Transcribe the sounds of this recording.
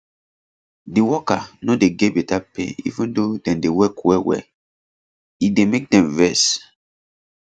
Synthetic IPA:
diwɔkanodeɡebɛtapḛ̃ḭvũndodɛ̃mdewɛkwɛwɛ̰ | idemek̚dɛ̃mvɛs

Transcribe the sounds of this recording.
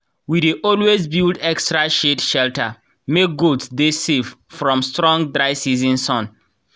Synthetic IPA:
wideʔɔlwezbildɛkstɹaʃedʃɛltʰə | mek̚ɡudsdesev̥fɹɔ̃mstɹɔ̃ŋdɹaɪsizĩnsɔ̃n

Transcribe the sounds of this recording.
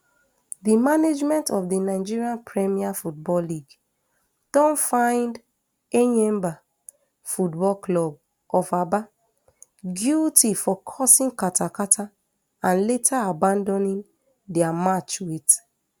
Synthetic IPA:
dimaned͡ʒmɛ̃ntɔfdinaɪd͡ʒiɹiãnpʰɹɛmiafut̚bɔlliɡ | d̥ɔ̃nfãɪ̃nd | eɲɛ̃mba | futbɔlklɔb̚ | ɔfaba | ɡjultifɔkʰɔsĩŋkatakatʰa | ãnletʰaabãndɔ̃nĩn | dɛamat͡ʃwet

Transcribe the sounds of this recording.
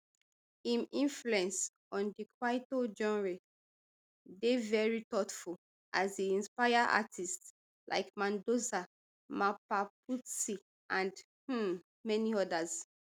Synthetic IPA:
ĩmĩɱfluɛ̃ns | ɔ̃ndikʰwaɪtod͡ʒɔ̃nɹe | devɛɹitɔtful | ʔazdiĩnspajaʔa̰tist | lʔa̰ɪkmãndosa | mapaputsi | ʔãnd | h̩ | mɛniɔdaz

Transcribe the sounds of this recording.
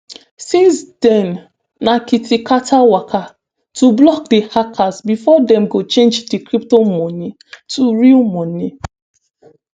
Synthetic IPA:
sĩnsdɛnː | akitikatʰawakʰa | tublɔk̚dehakʰazbifɔdɛ̃mɡot͡ʃẽnd͡ʒdekɾip̚tomɔni | tʰuɹilmɔni

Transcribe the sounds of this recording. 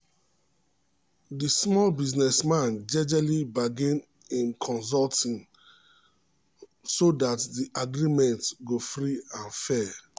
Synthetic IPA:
dismɔlbiznɛsmãnd͡ʒɛd͡ʒalibaɡĩn | ĩnkʰɔ̃ns̬ɔltĩŋ | sodatdiʔaɡɹimɛ̃ntɡofɹiãnfɛ

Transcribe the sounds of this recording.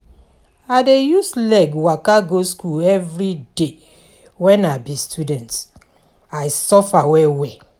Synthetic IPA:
adejuslɛɡwakaɡoskulɛvɹide | wɛ̃nabistʰudɛ̃nt | ajsɔfawɛwɛ

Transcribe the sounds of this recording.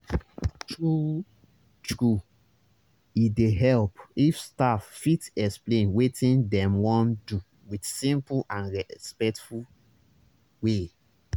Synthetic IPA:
tɹu | tɹu | ideɦɛlpifstafːitɛksplẽnwetĩndɛ̃mwɔ̃ndu | widsĩmpulãnɹɛspɛk̚tful | we

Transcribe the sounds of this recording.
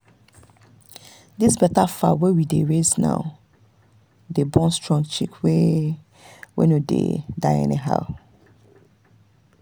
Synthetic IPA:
disbɛtafa̰wɛwideɹeznã̰ʊ | debɔ̃nstɹɔ̃ŋɡt͡ʃikwe | wḛnodḛdaɪɛ̰niɦa̰ʊ

